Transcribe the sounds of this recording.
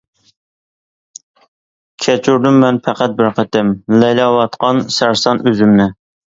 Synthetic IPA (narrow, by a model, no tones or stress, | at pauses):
kʲʰɛt͡ʃʰyɾd̪ymːɛnpʰæqʰæt̪̚bɪɾqʰət̪ɪmlɛjlɑwɑt̪qʰɑnsæɾsɑnøzymnɪ